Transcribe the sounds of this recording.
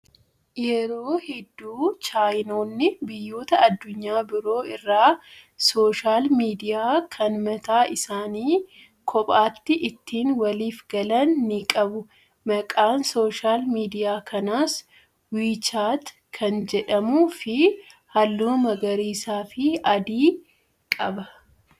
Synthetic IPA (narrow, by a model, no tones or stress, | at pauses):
jɛɾo̞ːhɛd̪ːuːt͡ʃaːjno̞ːnːɪbɪjːo̞ːt̪ɐɐd̪ːʊɲːaːbɪɾo̞ːɪrːaːso̞ːʃaːlmiːd̪ɪjaːkʰɐnmɐt̪aːʔɪsaːniː | kʰɔpʼaːt̪ːɪʔɪt̪ːiːnwɐliːfɡɐlɐnːɪkʼɐbʊ | mɐkʼaːnso̞ːʃaːlmiːd̪ɪjaːkʰɐnaːs | wiːt͡ʃaːt̪ | kʰɐnd͡ʒɛᶑɐmuːfɪhɐlːuːmɐɡɐɾiːsaːfɪɐd̪iː | kʼɐbɐ